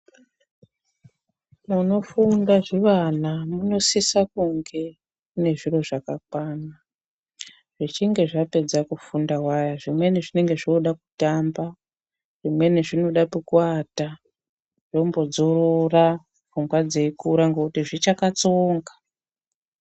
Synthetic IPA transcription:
muno̞fundaʐiʋanamuno̞sisakuŋɡe̞ | kune̞ʐiro̞ʐakak̚waːna | ʐ̥it͡ʃiŋɡe̞ʐape̞d͡zakufundawajaʐimwe̞niʐine̞ŋɡe̞ʐoɗaku̥tamba | ʐ̥imwe̞niʐino̞ɗapukuata | ʐ̥ombo̞d͡zoɾora | vuŋɡwad͡zeikuɾaŋɡokutiʐit͡ʃakat͡soːŋɡḁ

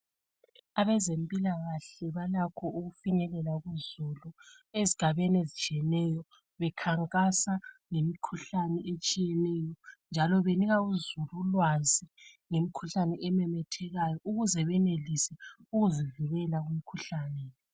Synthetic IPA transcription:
aβɛzempʼilaɣaɬɛβalakʰɔuɣufiɲɛlɛlaɣuzulu | eziɡ̥ʱaβenezit͡ʃʼiɛnɛjɔ | βɛkʰaŋkʼasaŋemikʰuɬanɛet͡ʃʼijɛnɛːjɔnd͡ʒʱalɔβeniɣauzululwaziŋemikʰuɬanɛʔɛmɛmɛtʰɛɣajɔʔuɣuzɛβɛnelisɛuɣuzivuɣɛlaɣum̩kʰuɬaːnɛ

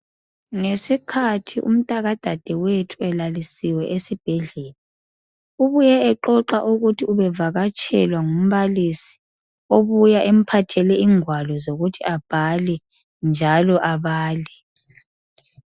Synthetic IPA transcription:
ŋesikʰatʰiʔṵm̩tʼaɣad̥ʱad̥ʱɛwetʰuɛlalisiwɛʔesib̥ʱɛɮɛːla | uβujɛɛǃɔǃaʔuɣutʰiuβɛvaɣat͡ʃʼʰɛ̰lwaŋum̩βalisi̥ | oβujaʔem̩pʰatʰɛlɛiːŋwalɔzoɣutʰiab̥ʱalɛ | nd͡ʒʱalɔʔaβaːlɛ

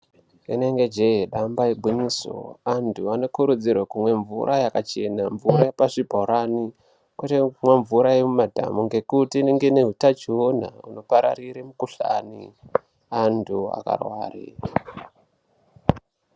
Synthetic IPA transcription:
ḛne̞ŋɡe̞d͡ʒeɦeɗambaebʱiɲiso̰antʰuano̞kuɾud͡zirwakumwe̞ɱvṵɾʔajakat͡ʃe̞naɱvuɾajepaʐibʱoɾani | kweteumweɱvuɾajemumadʱa̰muŋɡe̞kutiːneŋɡeneɦutat͡ʃion̤a̰ṵno̞paɾa̰riɾemukuɬa̰ːnḭ | antʰua̰ka̰rwa̰ːrḭ

